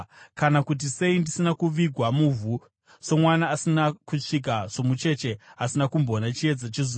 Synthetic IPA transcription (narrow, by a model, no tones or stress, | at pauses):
kanakut̬ise̞indisinakuʋiɡʱwamuvʱu | so̞mwanaːsinakuʂik̬aʐ̥o̞mut͡ʃe̞t͡ʃe̞asinakumboːnat͡ʃie̞d͡zat͡ʃizi